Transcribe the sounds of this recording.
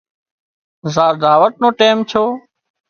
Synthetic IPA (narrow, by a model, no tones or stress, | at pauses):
zaːɾd̪ʱaːʋəʈ̚nõːʈeːmt͡ʃʰoː